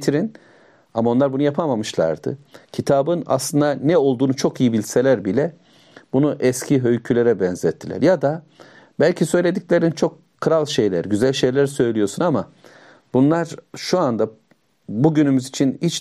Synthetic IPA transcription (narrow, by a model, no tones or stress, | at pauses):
t̪ʰiɾin | amao̞nlˠaɾbunujapʰamamɯʃlˠa̰ɾd̪ɯ̰cʰit̪ʰaːbɯna̰slˠɯnd̪anɛo̞lˠd̪uːnut͡ʃʰo̞kijibilʲse̞lʲæɾbilʲɛ | bunuʔɛscʰiɦø̞jcʰylʲe̞ɾɛbɛnzɛt̪ʰːilʲæ̰ɾjad̪a | bælʲcʰisø̞jlʲe̞d̪iclʲe̞ɾint͡ʃʰo̞kʰːɯɾalˠʃe̞jlʲæ̰ɾɟyzælʲʃe̞jlʲæɾsø̞jlʲijo̞sunama | bunlˠaɾ̥ʃuand̪a | buɟynymyzit͡ʃʰinhit͡ʃ